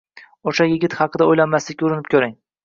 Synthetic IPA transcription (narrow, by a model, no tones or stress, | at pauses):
oʃajɪɡʲɪt̪χɑqʰɨd̪aojlanmaslɪkʲʊɾɪnɪp̚kʲʰɵɾɪŋ